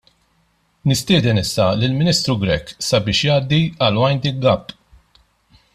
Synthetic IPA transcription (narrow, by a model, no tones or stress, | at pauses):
nɪst̪ɪːd̪ɛnɪsːɐlɪlmɪniːst̪ɾuɡɾɛkːsɐbɪːʃjɐːd̪ːiɐlwɐjnd̪iɡɐpː